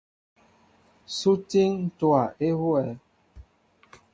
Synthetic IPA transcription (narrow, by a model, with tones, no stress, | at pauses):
su˦ti˦ŋ˦twa˨ʔe˦hwɛ˨